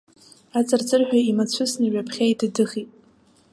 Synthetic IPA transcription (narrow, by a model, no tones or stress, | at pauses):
at͡sʼart͡sʼɨrħᶣaimat͡ɕʷʰɨsnɨɥapʰχʲaidadɨχitʼ